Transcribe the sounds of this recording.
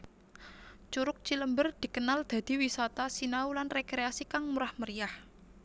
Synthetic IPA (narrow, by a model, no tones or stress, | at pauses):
t͡ʃuɾʊk̚t͡ʃiləmbərd̪̥i̤kənald̪̥a̤d̪̥i̤wisat̪asinaulanrekɾeasikaŋmuɾahməɾijah